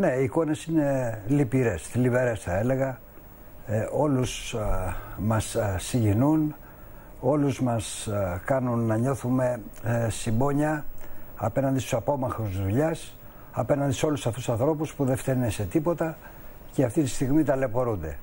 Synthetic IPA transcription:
ne̞iiko̞ne̞sinelipiɾe̞sθilive̞ɾe̞sθɐe̞le̞ɣɐ | o̞lus | mɐsːiɟinun | o̞luzmɐskɐnunːɐɲo̞θume̞simbo̞ɲɐɐpe̞nɐnd̪ist̪u̥sɐpo̞mɐxuzðuʎɐs | ɐpe̞nɐnd̪iso̞lusɐft̪usɐnθɾo̞puspuðe̞ft̪e̞neset̪ipo̞t̪ɐ | ceɐft̪it̪ist̪iɣmit̪ɐle̞po̞ɾund̪e̞̰

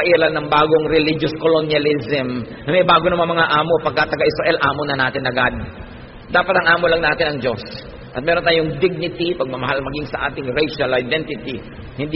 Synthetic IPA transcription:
ɐʔiːɾɐnɐŋbaːɡo̞ŋɾɛlid͡ʒoskolonjɐlisɛm | nɐmɛjbaːɡonɐmamɐŋaʔaːmo̞pɐɡ̚kːat̪ɐɡaʔɪsɾaʔɛlʔaːmonɐnaːt̪ɪnɐɡad̪̚ | d̪aːpɐt̪ɐŋʔaːmolɐŋnaːt̪ɪnɐŋd͡ʒo̞s | ʔɐt̪̚mɛːɾo̞nt̪aːjoŋd̪ɪɡ̚nɪt̪ipɐɡ̚mɐmɐɦalmɐɡiŋsɐʔa̰ːt̪ɪŋɾɛjʃɐlɐajd̪ɛnt̪ɪt̪i | hɪnd̪

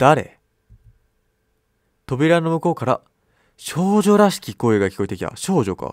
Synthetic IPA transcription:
d̪̥aɾe̞̰ | t̪o̞bʲiɾano̞mɯ̟ko̞ːkaɾa̰ | ɕo̞ːʑo̞ɾaɕi̥kʲiko̞ːeɡakʲi̥ko̞it̪ekʲi̥t̪a̰ɕo̞ːʑo̞ka̰

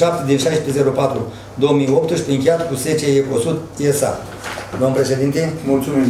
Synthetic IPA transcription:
ʃap̚t̪ed̪inʃajspeze̞ɾopat̪ɾu | d̪o̞womijo̞p̚t̪ʃpeɨŋkʲejat̪kuze̞t͡ʃeeko̞sut̪esa̰ | d̪omnpɾe̞ʃe̞d̪int̪emult̪sumi

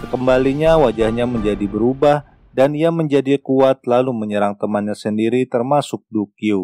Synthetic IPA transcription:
kəmbaliɲawad͡ʒahɲaməɲd͡ʒadibəɾubah | daniaməɲd͡ʒadikuat̪̚laluməɲəɾaŋt̪əmanɲasəndiɾit̪ərmasʊk̚dukiu

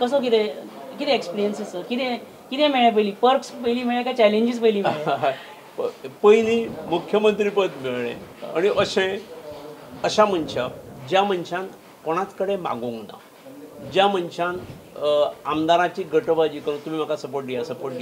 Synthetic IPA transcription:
kəsək̬it̪ɛ | kit̪ɛ̃ekspiɾijənsisəɾkit̪ɛ̃ | kit̪ɛ̃meɭẽp̬əiliːpəɾpspəɦliːmeɭẽkat͡ɕɛleɲd͡ʑispəiliːmeɭ | pəjliːmukʰjəmənt̪ɾiːpət̪meɭɭḛ̃aɽ̃iʔəɕẽ | əɕam̤ənɕad͡ʑjam̤ənɕan | poɽ̃at͡skəɽemã̰ɡũŋɡna̰ | d͡ʑjamənɕan | amd̪aɾãt͡ɕiːɡʱəʈʋad͡ʑiːkəɾũnt̪um̤iːm̤akasəpoɾʈ̚ɖijasəpoɾʈ̚ɖi

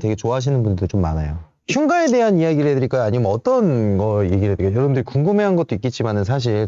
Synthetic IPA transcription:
te̞ɡe̞t͡ɕoaɦaɕ̬ʰinɯnbundɯɾt͡ɕomːa̰na̰jo | çʰjuŋɡae̞de̞ɦanijaɡiɾɭɦedɯɾiɭk͈ajaɲimʌt͈ʌnɡʌe̞ɡiɾɭɦedɯɾik͈ajʌɾʌbɯndɯɾikuŋɡɯme̞ɦanɡʌt͈oik͈et̚t͡ɕ͈imanɯnsʰaɕ̬ʰiɭ

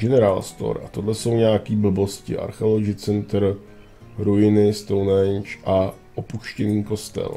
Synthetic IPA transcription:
ɡɛnɛɾaːlst̪o̰ɾʔa̰t̪o̞dlɛso̞wɲɛjakiːbl̩bo̞scɪ̰ʔa̰ɾxɛloɡɪt͡sɛnt̪ɾ̩ | ɾojɪnɪst̪ownɛnt͡ʃʔa | ʔopuʃcɛniːko̞st̪ɛ̰l

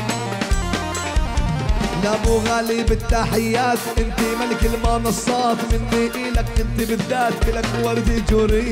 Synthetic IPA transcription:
jabuɣalibɪt̪ːaːħɪjːaːt̪ʔɪnt̪imalɪkɪlmɑːnɑsˤːɑːt̪mɪnːiʔiːlakʔɪnt̪ibɪðːaːt̪bɪlakwɑɾˤd̪id͡ʒuɾij

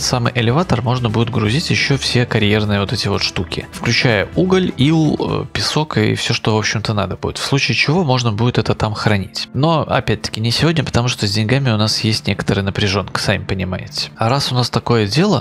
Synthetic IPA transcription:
samɨjʔɪlʲɪvat̪ərmo̞ʐnəbudʲɪt̪̚ɡɾʊzʲitʲjɪɕːo̞fsʲe̞kɐɾʲje̞rnɨjəvo̞t̪ɛtʲɪvo̞t̪ʂt̪ukʲɪ̰fklʲʉt͡ɕæjəuɡəlʲilˠə̰pʲɪso̞kɨfsʲoʂt̪o̞vo̞pɕːɪmt̪əna̰d̪əbṵdʲɪt̪fslˠut͡ɕɪːt͡ɕɪvo̞mo̞ʐnəbudʲɪt̪ɛt̪ət̪amxɾɐnʲitʲno̞ɐ̰pʲæt̚ʲt̪ə̥kʲɪnʲɪsʲɪvo̞dʲnʲəpə̥t̪ɐmuʂt̪ozʲdʲɪnʲɡamʲɪʊnasjesʲtʲnʲe̞kə̥t̪əɾɨjənəpɾʲɪʐo̞nkə̥samʲɪpənʲɪmajɪ̰tʲɪ̥ɐɾasʊnast̪ɐko̞jədʲe̞lˠə

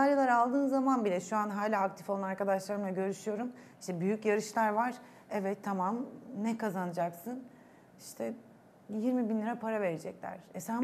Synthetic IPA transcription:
aɾjalˠaɾalˠd̪ɯːnzamanbilʲɛʃuanɦaːlʲaːk̚t̪ʰi̥folˠanaɾkad̪aʃlˠaɾɯmaɟø̞ɾyʃyjo̞ɾumiʃt̪ʰɛbyjycjaɾɯʃlˠaɾvaɾ̥ | ɛvɛt̪ʰːamamnɛkʰazanɯd͡ʒaksɯn | iʃt̪ʰɛ | jiɾmibinlʲiɾapʰaɾave̞ɾed͡ʒɛclʲæ̰ɾ̥ɛsæ

